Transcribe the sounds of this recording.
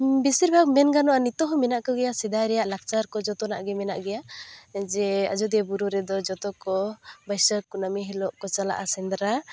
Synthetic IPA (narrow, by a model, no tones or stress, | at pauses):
bisiɾbʱaɡmɛnɡanɔʔanit̪ɔɦɔmɛnaʔkɔɡɛjasɛd̪aɾɛjaʔlak̚t͡ʃaɾkɔd͡ʒɔt̪ɔnaʔɡɛmɛna̰ʔɡɛjad͡ʒɛa̰d͡ʒɔd̪ɛabuɾuɾɛd̪ɔd͡ʒɔt̪ɔkɔbəjsəkːunamiɦilɔʔkɔt͡ʃala̰ʔasɛnd̪ɾa